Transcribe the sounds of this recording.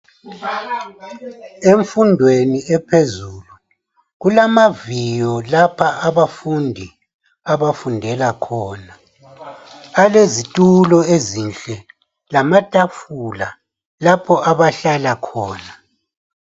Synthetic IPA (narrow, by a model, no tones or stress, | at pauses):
eɱfundʱweniɛpʰezuːlu | ɣulamavijɔlapʰaʔaβafundʱi | aβafundʱɛlakʰɔːna | lezitʼulɔezinɬɛ | lamatʼafula̰ | lapʰɔaβaɬalakʰɔːna